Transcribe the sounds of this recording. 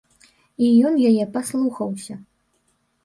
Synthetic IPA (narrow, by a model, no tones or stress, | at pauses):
ijɔnjajɛpaslˠuxɐwsʲɐ